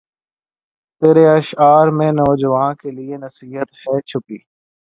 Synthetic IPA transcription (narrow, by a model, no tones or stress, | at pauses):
t̪eːɾeəʃaːɾmẽːnɔːd͡ʒəʋaːnkeːlieːnəsiːɦət̪hɛːt͡ʃʰʊpiː